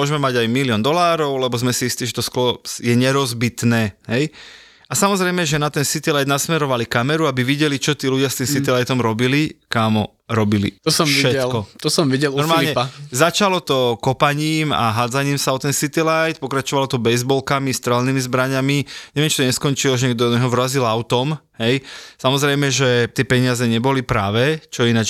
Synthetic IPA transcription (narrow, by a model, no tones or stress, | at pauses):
mʊɔʒɛmɛmaɟajmilɪɔnd̪ɔlaːɾɔʊlɛbɔzmɛsiist̪iːʒɛt̪ɔsklɔjɛɲɛɾɔzbit̪nɛːɦɛj | asamɔzɾɛjmɛʒɛnat̪ɛnsit̪ilajd̪nasmɛɾɔʋalikamɛɾuabiʋiɟɛlit͡ʃɔt̪iːluɟɪast̪iːmsit̪ilajt̪ɔmɾɔbilikaːmɔ | ɾɔbilḭt̪ɔsɔmʃɛt̪lkɔt̪ɔsɔmʋiɟɛlnɔɾmaːlɲɛazat͡ʃalɔt̪ɔkɔpaɲiːma̰ɦad͡zaɲiːmsaɔt̪ɛnsit̪ilajt̪̚pɔkɾat͡ʃɔʋalɔt̪ɔbɛzbɔlkamist̪ɾɛlniːmizbɾaɲamiɲɛʋɛmt͡ʃit̪ɔɲɛskɔnt͡ʃilɔʒɛɲɛɡd̪ɔnɛɦɔʋɾazilaʊt̪ɔmɦɛjsamɔzɾɛjmɛʒɛt̪ɪɛpɛɲɪazɛɲɛbɔlipɾaːʋɛt͡ʃɔinat͡ʃ